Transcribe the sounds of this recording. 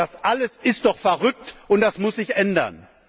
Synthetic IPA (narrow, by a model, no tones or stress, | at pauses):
asʔaləsɪst̚d̥ɔχfɛɐʁʏk̚tʔʊnt̚d̥asmʊsz̥ɪçʔɛndɐ̰n